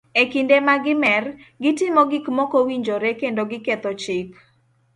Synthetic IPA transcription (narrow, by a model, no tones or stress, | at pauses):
ekindemaɡɪmɛrɡɪtɪmɔɡɪkmɔkowiɲd͡ʒoɾekendoɡɪket̪ot͡ʃɪk